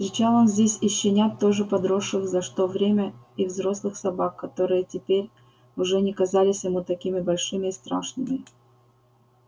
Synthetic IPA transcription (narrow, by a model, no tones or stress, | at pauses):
st̪ɾʲɪt͡ɕalˠonzʲdʲesʲɪɕːɪnʲat̪ːo̞ʐɨpɐd̪ɾoʂːɨxzɐʂt̪o̞vɾʲemʲəivzɾo̞slˠɨxsɐbakːɐt̪o̞ɾɨjətʲɪpʲeɾʲ | ʊʐɛnʲɪkɐzalʲɪsʲjɪmut̪ɐkʲimʲɪbɐlʲʂɨmʲɪːst̪ɾa̰ʂnɨmʲɪ